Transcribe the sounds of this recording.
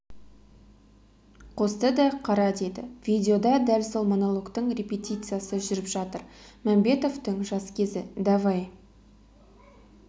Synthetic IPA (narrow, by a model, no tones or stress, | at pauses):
qʰo̞st̪əd̪ɑqʰɑɾɑd̪ed̪ɪ̰vʲijd̪ʲeo̞d̪ɑd̪ælso̞lˠmonolˠo̞kt̪əɴrʲepʲet̪ʲit̪sɨjasəʒʏɾɪpʒɑt̪əɾmæmbe̞t̪o̞vt̪əɴʒɑskʲʰe̞zɪd̪ɑvɑj